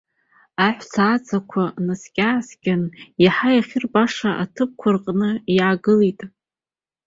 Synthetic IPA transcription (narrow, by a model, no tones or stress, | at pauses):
aħʷsʰaːt͡sʰʼakʷʰanaskʲʼaːsɡʲanjaħajaχʲɪrbaʂaʔatʰɨp̚kʷʰʊrqʼnɨjaːɡɨlitʼ